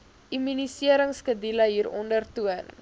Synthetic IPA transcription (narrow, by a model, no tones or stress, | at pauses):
ʔimynisiəɾəŋskədiləɦiːɾɔ̰ndərtuən